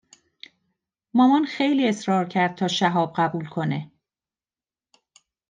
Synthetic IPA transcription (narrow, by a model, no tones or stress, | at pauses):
mɒːmɒnxe̞jliːe̞sɾɒːɾcʰæɾd̪̚t̪ʰɒːʃæɦɒːb̚ɢæbuːlkʰo̞ne